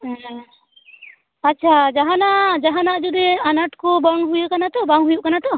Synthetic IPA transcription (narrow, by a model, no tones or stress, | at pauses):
atːt͡ʃʰad͡ʒaɦanaʔd͡ʒaɦanaʔd͡ʒud̪ɛanaʈkɔbəŋɦujuʔkanat̪ɔbaŋɦujuʔkanat̪ɔ